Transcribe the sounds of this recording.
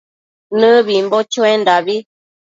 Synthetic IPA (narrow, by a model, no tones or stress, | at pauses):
nɨ̃βimbot͡ʃuend̪aβi